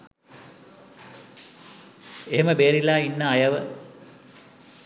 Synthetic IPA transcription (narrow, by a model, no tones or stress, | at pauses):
eɦeməbeːɾilaːinːəajɐʋə